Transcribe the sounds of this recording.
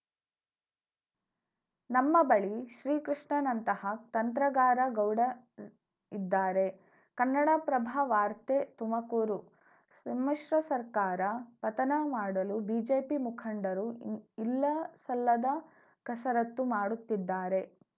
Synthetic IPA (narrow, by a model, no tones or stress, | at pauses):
nɐmːɐbɐɭiʃɾiːkɾiʂɳɐnɐnt̪ɐhɐt̪ɐnt̪ɾɐɡaːɾɐɡɐwɽɐ | id̪ːaːɾe̞ | kɐnːɐɽaːpɾɐbʱaʋaːɾt̪et̪umɐkuːɾu | sɐmɐʃɾɐsɐɾkaːɾɐpɐt̪ɐnɐmaːɽɐlubid͡ʒeːpimukʰɐɳɖɐɾuilːɐsɐlːɐd̪ɐ | kɐsɐɾɐt̪ːumaːɽut̪ːid̪ːaːɾe̞